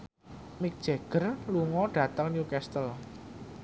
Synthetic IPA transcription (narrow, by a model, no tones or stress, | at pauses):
mɪk̚d̥ʒ̥eɡ̥ərluŋɔɖ̥ä̤t̪əŋnjukɛst̪əl